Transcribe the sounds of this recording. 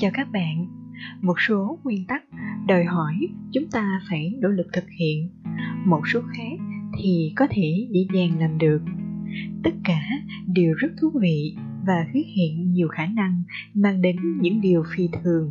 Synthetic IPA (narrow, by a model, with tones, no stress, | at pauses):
t͡ɕaː˧wkaː˦˥k̚ɓa̰ː˧˨nmo˨˩t̚so˨˦ŋwi˧ənt̪a˦˥k̚ɗɔ˨˩jɦɔ˧˩jt͡ɕʊ˨˦ŋ͡mt̪aː˧faː˧˩jno̰˧˩lɨ˨˩k̚t̪ʰɨ˨˩k̚hḭ˧˨ənmo˨˩t̚so˨˦xaː˦˥k̚t̪ʰi˨˩kɔ˨˦t̪ʰe˧˩ɲḛ˧˥zaː˨˩ŋlaː˨˩mɗɨ˨˩ək̚t̪ə˦˥t̚kaː˧˩ | ɗi˨˩əwzə˦˥t̚t̪ʰu˨˦tvḭ˧˨ | vaː˨˩t̪wi˨˦˥ət̚hḭ˧˨ənɲi˨˩əwxaː˧˩na˧ŋ | maː˧ŋɗe˨˦nɲɨ̰˧˥ŋɗi˨˩əwfi˧t̪ʰɨ˨˩əŋ